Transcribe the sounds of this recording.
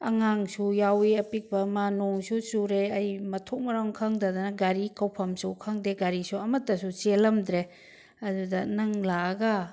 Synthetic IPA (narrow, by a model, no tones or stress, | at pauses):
ɐŋaŋsujawiɐpik̚pɐmanoŋsusuɾeɐjmɐtʰok̚mɐɾaŋkʰaŋdadɐnɐɡaɾikawpʰɐmsukʰaŋdeɡaɾisuɐmɐtːɐsut͡ʃelɐmd̪ɾe | ɐdudɐnɐŋlaːɡɐ